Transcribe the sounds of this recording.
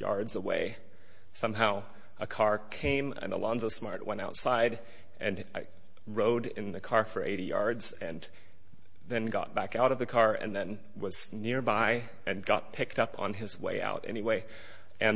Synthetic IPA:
jɑ̰ɹdzəwḛɪ | sʌ̃mɦaʊ | ʔəkʰɑɹkʰẽɪ̃mɨ̰̃nə̰lʔɑ̃nzoʊ̥smɑɹt̚wʔɛ̃ɾ̃aʊtsaɪɾ | ʔɨ̃n | ɹoʊɾɪ̰̃nðɨkʰɑɹfə˞ʔḛɪɾijɑ̰ɹdz̥ | ɨ̃n | ðɨ̃nɡɑ̰t̚b̥ækaʊɾʌvðɨkʰɑɹɨ̰̃nðɨ̃n | wʌz̥ | nɪɹbaɪ | ɨ̃nɡɑ̰t̚pʰɪk̚tʌpn̩ɪzwḛɪa̰ʊɾɛ̰niweɪ | ʔɨ̃n

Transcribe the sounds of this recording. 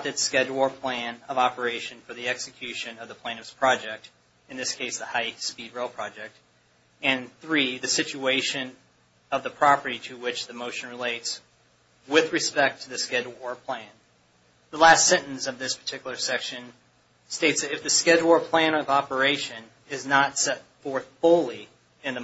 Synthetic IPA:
ðɨtskɛd͡ʒwɔɹpʰl̥æ̃nʌvɑpə˞eɪʃɨ̃nfə˞ðiɛksɨkʰj̥ʉʃɨ̃nʌvðəpʰl̥ẽñɨvz̥pʰɹ̥ɑd͡ʒɛk̚t | ɨ̃nðɪskʰeɪsðəhaɪspid̚ɹeɪlˠpʰɹ̥ɑd͡ʒɛk̚t̚ | ɨ̃nθɹiðɨsɪt͡ʃʉeɪʃɨ̃n | ʌvðəpʰɹ̥ɑpə˞ɾiɾɨwɪt͡ʃðɨmoʊʃɨ̃n̩ɹɨleɪts | wɪðɹɨspɛk̚tʰɨðɨskɛd̚wɔɹpʰl̥æ̃n | ðəlæstsɛ̃ɾ̃ɨ̃n̩sʌvðɪspʰə̥˞tʰɪkjl̩ˠə˞sɛkʃɨ̃n | steɪtsðɨɾɨfðɨskɛd̚wɔɹpʰl̥æ̃ñʌvɑpə˞eɪʃɨ̃n | ɨznətsɛtfɔɹθfʊlˠi | ɨ̃nðɨ

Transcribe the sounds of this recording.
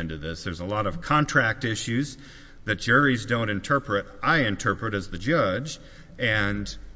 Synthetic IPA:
ɛ̃ndɨðɪsðə˞zəlɔɾʌv̥kʰɑ̃ntʰɹ̥æk̚tɪʃʉz | ðɨt̚d̥ʒ̥ɜ˞izdõʊ̃ñɨ̃ntʰɜ˞pʰɹɨɾaɪɨ̃ntʰɜ˞pɹɨɾɨzðɨd͡ʒʌd͡ʒ | ɨ̃n

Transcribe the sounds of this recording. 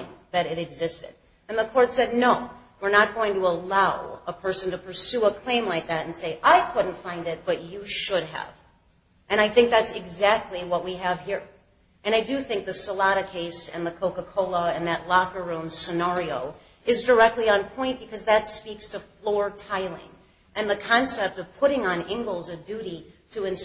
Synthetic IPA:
ðɨɾɨɾɨɡzɪstɨ̰d | ɨ̃nðəkʰɔɹtsɛdⁿnoʊwɨɹnət̚ɡ̥oʊɪ̃ŋtəəlaʊəpʰɜ˞sɨ̃n̩tɨpʰə˞sʉəkʰl̥ẽɪ̃mlaɪk̚ðæɾɨ̃n̩seɪʔaɪkʰʊdⁿn̩tfãɪ̃ndɨt̚b̥ʌt͡ʃɨʃʊd̚ə̰v̥ | ʔɨ̃ɾ̃aɪθɪ̃ŋk̚ðætsɨɡzæk̚tˡliwʌt̚wiɨv̥ɦiɹ | ʔɨ̃ɾ̃aɪdɨθɪ̃ŋk̚ðɨsəlɑɾɨkʰeɪsɨ̰̃nðɨkʰoʊkəkʰoʊlˠəɨ̃nðɨtˡlɑfə˞ũmsɨnæɹioʊ | ɨzdə˞ɛk̚tˡliə̃npʰɔ̃ɪ̃nt̚b̥ɨkʰʌzðɨtspikstʰəflɔɹtʰaɪlˠɪ̰̃ŋ | ʔɨ̃nðɨkʰɑ̃nsɛp̚tʌv̥pʰʊɾɪ̃ŋə̃nɪ̃ŋɡl̩ˠzʌvdʉɾiɾɨɨ̃ns

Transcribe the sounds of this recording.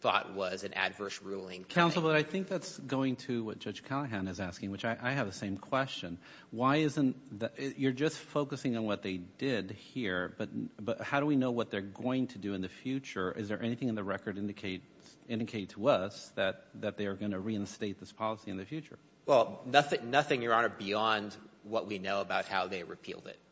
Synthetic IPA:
θɔ̰t̚wʌzɨ̃nɨ̰dvɜ˞sɹulˠɪ̰̃ŋkʰãʊ̃nsl̩ˠbʌɾaɪθɪ̃ŋk̚ðætsɡ̥oʊɪ̃ŋtʰɨwʌt̚d̥ʒ̥ʌd̥ʒ̥kʰælˠəɦæ̃nɨzæskɪ̃ŋwɨt͡ʃaɪʔaɪɨvðɨsẽɪ̃mkʰw̥ɛst͡ʃɨ̃n | waɪɪzɨ̃nðɨɪjə˞d͡ʒʌstfoʊkɨsɪ̃ŋə̃nwʌt̪̚ðeɪdɪd̚hiɹb̥ʌtⁿbʌthaʊɾəwinoʊwʌt̪̚ðə˞ɡoʊɪ̃ŋtʰɨdɨɨ̃nðɨfjʉt͡ʃə˞ʔɪ̰zðə˞ʔɛniθɪ̃ŋɨ̃nðɨɹɛkə˞ɾɪ̃ndɨkʰeɪt | sɪ̃ndɨkʰeɪtʰəʌsðɨt̪̚ðɨt̪̚ðeɪə˞ɡʌñɨɹiɨ̃nsteɪt̪̚ðɪspʰɑlˠəsiɨ̃nðɨfjʉt͡ʃə̰˞ | wɛlˠnʌθɪ̃ŋnʌθɪ̃ŋjə˞ɑ̃nət̚b̥iɑ̃ndwʌʔ̚winoʊəbaʊt̚haʊðeɪɹɨ̰pʰḭlˠdɪ̰t̚

